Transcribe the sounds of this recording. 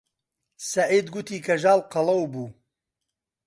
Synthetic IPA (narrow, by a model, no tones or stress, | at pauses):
sɐʕiːd̪ɡut̪ʰiːkʰɐʒaːlqɐlˠɐwbuː